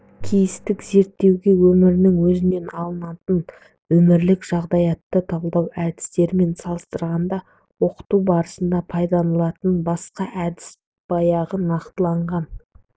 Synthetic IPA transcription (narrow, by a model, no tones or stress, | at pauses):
kʲʰijɪst̪ɪkze̞ɾt̪ːe̞wɡʲe̞wɵmɪɾɪnɪŋwɵzɪne̞nɑlˠənɑt̪ən | wɵmɪɾlɪkʒ̥ɑʁd̪ɑjɑt̪ːət̪ʰɑlˠd̪ɑwʔæd̪ɪ̥st̪e̞ɾme̞nsɑlˠəst̪əɾʁɑnd̪ɑ | wo̞qə̥t̪ubɑɾəsənd̪ɑpʰɑjd̪ɑnəlˠɑt̪ənbɑsqɑʔæd̪ɪ̥s | b̥ɑjɑʁənɑqt̪əlˠɑɴʁɑn